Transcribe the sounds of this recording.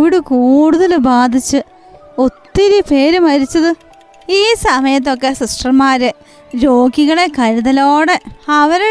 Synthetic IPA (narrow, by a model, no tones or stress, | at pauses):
ʋiɽukuːɽuðɐlbaːd̪ʱit͡ɕːɨ | o̞t̪ːiɾipe̞ːɾumɐɾit͡ɕːɐðɨ | iːsɐmɐjɐt̪̬ːo̞kːe̞siʂʈrɐmːaːɾɨ | ɾo̞ːɡiɣɐɭekɐɾuðɐlo̞ːɽe̞ɐʋɐɾe